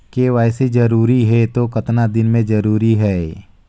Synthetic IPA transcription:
keʋaːɪsed͡ʒɐɾuːɾiɦɛt̪okɐt̪nad̪ɪnmẽd͡ʒɐɾuːɾiɦɛː

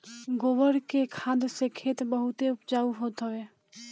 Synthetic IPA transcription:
ɡoːʋəɾkekʰaːd̪sekʰeːt̪bəɦʊt̪eʊpd͡ʒaːuɦoːt̪ɦəeː

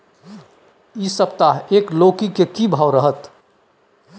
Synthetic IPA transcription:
isəpt̪aɦeːkloːkikekibʱaːwɾəɦət̪

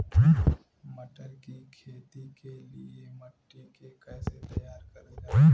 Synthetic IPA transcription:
mɐʈəɾkikʰeːt̪ikelḭemɐʈːikekɛːset̪ɐjaːɾkɐɾd͡ʒa

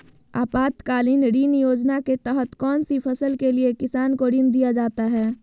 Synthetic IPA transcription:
a̰ːpaːt̪kaːlinɾiːnjoːd͡ʒnaket̪ɛɦət̪kɔːnsipʰəsəlkeliekɪsaːnkoɾiːnd̪ijad͡ʒaːt̪aɦɛː

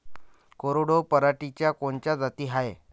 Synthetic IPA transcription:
koɾoɽopəɾaʈit͡ɕjakoɳt͡ɕjad͡zat̪iːɦaje

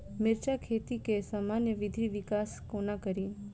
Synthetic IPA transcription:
mɪɾt͡ʃakʰet̪ikesamanjəʋɪd̪ʱiʋɪkaskonakəɾiːn

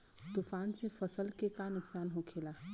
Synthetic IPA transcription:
t̪ufaːnsẽpʰəsəlkekanʊksaːnɦokʰela

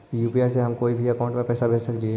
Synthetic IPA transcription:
juːpiaːjseɦɐmkoːibʱiɐkaʊ̃ɳʈmẽpɛːsabʱeːt͡ʃsɐkliɛ

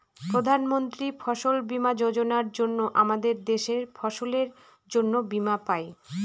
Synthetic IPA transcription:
pɾod̪ʱanmont̪ɾifʰɔʃolbimad͡ʑod͡ʑonaɾd͡ʑonːoʔamad̪eɾd̪eʃeɾfʰɔʃoleɾ | d͡ʑonːobimapae

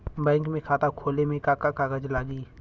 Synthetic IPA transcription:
bɛ̃ːŋkmẽkʰaːt̪akʰoːlemẽkaːkakaɡəd͡ʒlaːɡiː

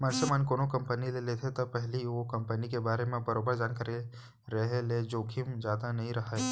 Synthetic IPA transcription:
məɾsemənkoːnokɐ̃mpənilelet̪ʰet̪ɐpɛɦliʋokɐ̃mpənikebaːɾemẽbɐɾoːbəɾd͡ʒaːnkɐɾe | ɾɐɦeled͡ʒoːkʰɪmd͡ʒjaːd̪anɐɦĩɾɐɦaɛ

